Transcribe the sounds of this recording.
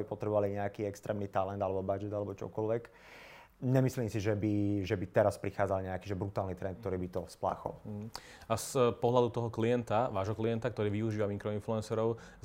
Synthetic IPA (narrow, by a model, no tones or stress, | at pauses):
bipɔt̪ɾɛbɔʋaliɲɛakiːɛkst̪ɾɛːmnit̪alɛnd̪alɛbɔbad͡ʒɛd̪alɛbɔt͡ʃɔ̰kɔlʋɛk | ɲɛmisliːmsiʒɛbiʒɛbit̪ɛɾaspɾixaːd͡zalɲɛakiːʒɛbɾut̪aːlnit̪ɾɛnt̪̚k̚t̪ɔɾiːbit̪ɔspla̰ːxɔ̰l̩ɦ̩ | aspɔɦlad̪ut̪ɔɦɔkliɛnt̪aʋaːʒɦɔkliɛnt̪akt̪ɔɾiːʋiuʒiːʋamiŋkɾɔinfluɛnsɛɾɔʊ | z